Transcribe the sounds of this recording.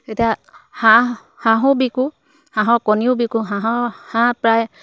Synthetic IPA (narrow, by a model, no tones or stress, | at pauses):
etijaha | hãɦɔ̃biku | hãɦɔ̃kɔniubikuɦãɦɔhãpɹaj